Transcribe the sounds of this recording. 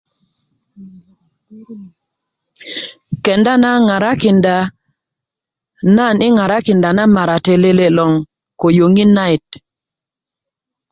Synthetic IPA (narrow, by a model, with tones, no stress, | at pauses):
kɛ˨nda˦na˦ŋa˨ɾa˦kɪ˨nda˨ | na˦˨nɪ˦ŋa˨ɾa˦kɪ˨nda˨na˦ma˨ɾa˨te˨le˦le˦lɔ˨ŋ | ko˨jo˨ŋi˦na˦ɪ˨t̚